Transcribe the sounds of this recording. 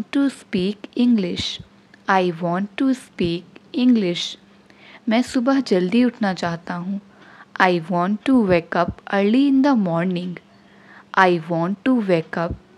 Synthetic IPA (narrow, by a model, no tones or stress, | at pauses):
ʈːuspiːkɪ̃ŋɡlɪʃ | aːɪiʋɔ̃ːɳʈːuspiːkɪ̃ŋɡlɪʃ | mɛ̃ːsʊbəɦd͡ʒɐld̪iʊʈʰnat͡ʃaːɦt̪aɦũː | aːɪʋɔ̃ːɳʈːuʋeːkɐpəɾliɪ̃nd̪əmɔːɾnɪ̃ŋɡ | aːiʋɔ̃ːɳʈːuʋeːkɐp̚